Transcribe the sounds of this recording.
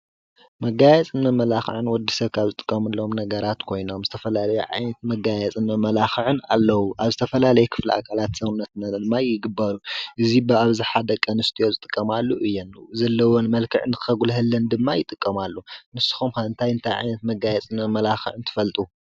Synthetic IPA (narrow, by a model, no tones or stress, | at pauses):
mɐɡajɛt͡sʼɨnmɐmɐlaxɨ̰ʕɨnwɔd̪ːisɐβkʰaβzɨt̪ʼɨ̥kʼːɐmɨlːo̞mnɐɡɐɾat̪kʰo̞jno̞mzɨt̪ʰɐfɐlalɐjuʕa̰jnɐt̪̚mɐɡajɛt͡sʼɨnɐmɐlaxɨʕɨna̰lːɐwuʔaβzɨt̪ʰɐfɐlalɐjɛkʰɨ̥flḭa̰kʰalat̪sɐmnɐt̪nad̪ɨmːajɪɡɨbaɾuʔɨzibɨaβziħad̪ɐkʼːɐnɨst̪ʰijo̞zɨt̪ʼɨkʼːɐmalːuʔɨjːɛnzɐlːɐwonmɐlkʰɨʕɨnɨkɨxɐɡulɦɨlːɐnd̪ɨmːajɪt̪ʼɨkʼːɐmalːunɨsːɨ̥xumxaɨnt̪ʰajɨnt̪ʰajʕa̰jnɐt̪mɐɡajɛt͡sʼɨmmɐmɐlaxɨ̰ʕɨnt̪ʰɨ̥fɐlt̪ʼu